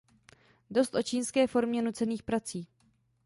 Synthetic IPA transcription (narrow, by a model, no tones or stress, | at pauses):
do̞st̪ʔo̞t͡ʃiːnskɛːfo̞ɾmɲɛnut͡sɛniːxpɾat͡siː